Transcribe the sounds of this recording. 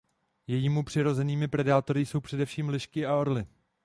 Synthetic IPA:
jɛjiːmupr̝̥ɪɾo̞zɛniːmɪpɾɛdaːt̪o̞ɾɪso̞wpr̥ɛdɛfʃiːmlɪʃkɪao̞ɾlɪ

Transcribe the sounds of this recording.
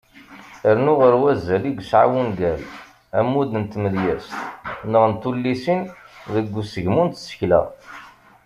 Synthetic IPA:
əɾnʊʁəɾwæzːæliɡʷsʕa̰wunɡæl | æmːud̪ənt̪məðjæst̪nəʁnt̪ːulːisinðəɡʷːusəʝmunt̪sə̥çlæ̰

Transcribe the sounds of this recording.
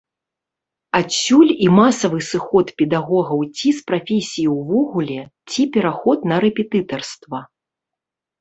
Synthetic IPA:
asʲːulʲimasɐvɨsɨxɔt̪pʲɛd̪aɣɔɣɐwt͡sʲispɾafʲesʲijiwvɔɣulʲɛt͡sʲipʲɛɾaxɔt̪nɐɾɛpʲɛt̪ɨt̪ɐrst̪vɐ

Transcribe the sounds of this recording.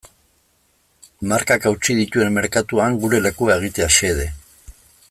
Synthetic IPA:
maɾkakawt͡siðit̪ue̞mmːe̞ɾkat̪uaŋɡuɾe̞le̞kuae̞ɣ̞it̪e̞aʃe̞ð̞e̞

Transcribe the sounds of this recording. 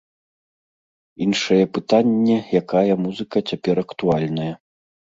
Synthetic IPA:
inʂɐjɛpɨt̪anʲːɛjakajɐmuzɨkɐt͡sʲapʲɛɾɐkt̪ualʲnɐjɐ

